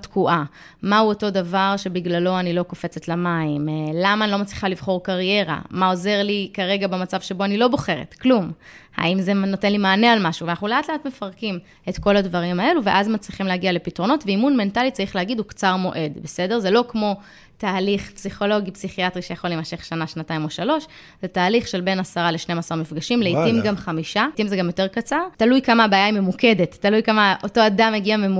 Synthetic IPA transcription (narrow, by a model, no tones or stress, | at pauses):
tkuʔa | mauoto̞davaʁʃe̞biɡlalo̞anilo̞ko̞fe̞t͡setlamaimlamanilo̞mat͡sliχalivχo̞ʁkaʁje̞ʁa̰mao̞ze̞ʁlikaʁe̞ɡabemat͡savʃe̞bo̞anilo̞bo̞χe̞ʁḛtklumha̰imzenotenlimaːnealmaʃuveanaχnuleatleatme̞faʁkim | e̞tko̞ladvaʁimae̞luveʔazmat͡sʁiχimleaɡiale̞pitʁo̞no̞tveimunme̞ntalitt͡saʁiχleaɡidhukt͡saʁmo̞̰ʔe̞dbe̞se̞de̞ʁze̞lo̞kmo̞ | taːliχpsiχo̞lo̞ɡipsiχiatʁiʃejaχo̞limaʃe̞χʃanaʃnataimo̞ʃalo̞ʃ | z̥etaːliχʃe̞lbe̞nasaʁaleʃnemasaʁmifɡaʃimleitimɡamχamiʃatimzeɡamjo̞te̞ʁkat͡saʁtalujkamabaːjaimemuke̞de̞tːalujkamaʔo̞to̞adameɡiamemu